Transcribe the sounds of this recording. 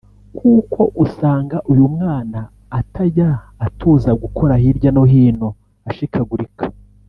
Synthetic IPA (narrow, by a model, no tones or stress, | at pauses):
kʰuːkʰo̞ʔusaːŋɡaʔujumŋaːnaː | tʰajaːtʰuːzaɡukʰo̞ɾahiɾɟano̞ɦiːno̞ | aʃikʰaɡuɾikʰḁ